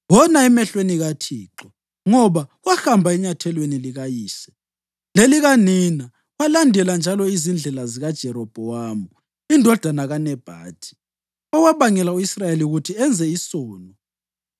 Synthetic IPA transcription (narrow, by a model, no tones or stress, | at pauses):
wɔnaɛmɛɬweniɣatʰiːǁɔ | ŋɔβawaxambʱaiɲatʰɛlweniliɣajiːsɛ̥ | leliɣanina | walandʱɛland͡ʒʱalɔizind͡ɮʱɛlaziɣad̥ʒ̥ʱɛɾɔb̥ʱɔwamu | indʱɔd̥ʱanaɣanɛb̥ʱa̰ːtʰi̥ | ɔwaβaŋɛlauisrajeliuɣutʰiɛnd͡zʱɛisɔːnɔ